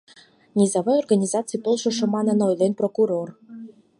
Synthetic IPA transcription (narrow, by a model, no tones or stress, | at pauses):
nʲizɑvojorɡanʲizɑt̪t͡sɨjpolˠʃoʃɤ̆mɑnɤ̆nojlenprokuɾor